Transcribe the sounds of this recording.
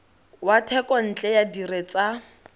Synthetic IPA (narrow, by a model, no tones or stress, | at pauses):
watʰɛkʼɔn̩t͡ɬʼɛjadiɾet͡sʼa